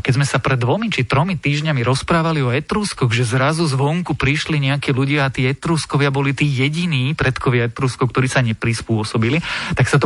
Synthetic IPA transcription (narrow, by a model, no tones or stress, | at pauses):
kɛzmɛsapɾɛd̪ːʋɔmit͡ʃit̪ɾɔmit̪iːʒɲamiɾɔspɾaːʋaliɔɛt̪ɾuːskɔɣʒɛzɾazuzʋɔŋkupɾiʃliɲɛakiːluɟɪaat̪iːɛt̪ɾuːskɔʋɪabɔlit̪iːjɛɟiniːpɾɛt̪kʰɔʋɪaɛt̪ɾuːskɔʊk̚t̪ɔɾiːsaɲɛpɾispʊɔsɔbilit̪aksat̪ɔ